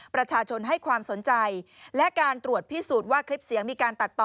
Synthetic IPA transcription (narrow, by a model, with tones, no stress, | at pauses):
pɾa˧t͡ɕʰaː˧t͡ɕʰo˧nɦa˥˩jkʰwaː˧mso˩˦nt͡ɕa˧jlɛ˦˥ʔkaː˧nt̪ɾu˨˩ət̪̚pʰi˦˥suː˨˩t̪̚waː˥˩kʰɾi˦˥p̚si˩˦əŋmiː˧kaː˧nt̪a˨˩t̪ːɔː˨